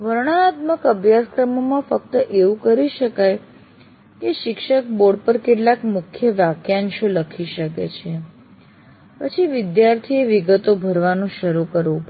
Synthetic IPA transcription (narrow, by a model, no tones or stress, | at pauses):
ʋəɾɳ̃aːt̪məkəbʱjaskɾəmomãfək̚t̪əʔeʋũkəɾiʃəkaj | keʃɪkʃək̚boɾɖ̚pəɾkeʈlakmʊkʰjəʋjakjanʃoləkʰiʃəkḛt͡ʃʰe | pət͡ʃʰiʋɪd̪jaɾt̪ʰieʋiɡət̪obʱəɾʋanũʃəɾukəɾʋũpə